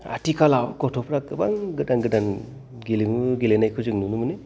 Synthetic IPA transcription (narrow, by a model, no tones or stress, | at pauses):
a̰tikʰalawkɔtʰɔpʰɾak̚ɯbaŋɡɯdaŋɡɯdan | ɡiliŋuɡilenajkʰɯzɯŋnunumɯnɯ